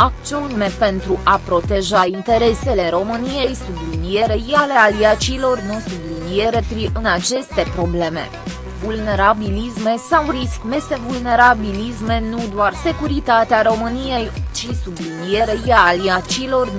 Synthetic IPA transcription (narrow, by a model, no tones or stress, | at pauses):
akt͡ʃionme̞pe̞nt̪ɾuʔapɾo̞t̪e̞ʒaint̪e̞ɾe̞se̞le̞ɾo̞mɨnije̞jsublinije̞ɾe̞jale̞aliat͡ʃiːlo̞rnusublinie̞ɾe̞pɾiɨnat͡ʃe̞st̪e̞pɾo̞ble̞me̞̰ | vulne̞ɾabilisme̞sawriskme̞st̪evulne̞ɾabilisme̞nud̪oarse̞kuɾit̪at̪eaɾo̞mɨnije̞jt͡ʃisublinije̞ɾe̞jaliat͡ʃiːlo̞r